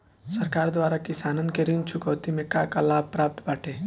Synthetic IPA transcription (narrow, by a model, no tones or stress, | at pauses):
səɾkaːɾd̪waːɾakɪsaːnənkeɾint͡ʃʰʊkəwt̪imẽkakalaːb̚pɾaːp̚t̪baːʈʰe